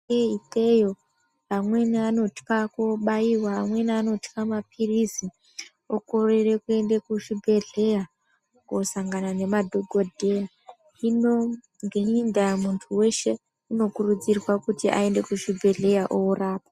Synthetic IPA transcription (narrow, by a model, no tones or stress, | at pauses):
eitejo | amwe̞niano̞ti̥kakoɓaiwaːmwe̞niano̞tkamapʰirisi | oko̞rerekue̞ndekuʃibʱe̞ɮe̞ja | kosaŋɡanane̞madʱoɡʱo̞dʱe̞ja | ino | ŋɡeindamuntʰuwe̞ʃe̞ | uno̞kurud͡zirwakutiʔa̰e̞nde̞kuʃibʱe̞ɮe̞jaʔouraːpa